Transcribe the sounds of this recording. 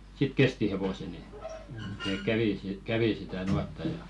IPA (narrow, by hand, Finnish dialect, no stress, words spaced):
sit kesti heʋose ni nek kæʋiˑ kæʋi sitæ nuɑtːɑ jɑ